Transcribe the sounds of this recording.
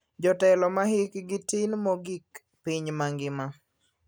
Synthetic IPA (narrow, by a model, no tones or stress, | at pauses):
d͡ʒɔtɛlɔmahɪkɡɪtɪnmɔɡik | piɲmaŋɡɪma